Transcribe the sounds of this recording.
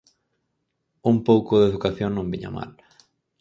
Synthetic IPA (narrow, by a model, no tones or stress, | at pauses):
umpowkʊðeðukaθjõŋnõmbiɲa̰ma̰l